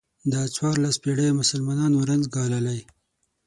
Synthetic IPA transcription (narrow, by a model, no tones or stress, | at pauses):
d̪ət͡swɑɾlaspeɽemʊsalmɑnɑnwɾanzɡɑlalaj